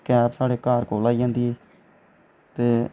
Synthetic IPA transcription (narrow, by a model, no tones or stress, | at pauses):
kɛːpsaːɽeːkaːɾkoːlaːiːd͡ʒãːnd̪iːeː | t̪eː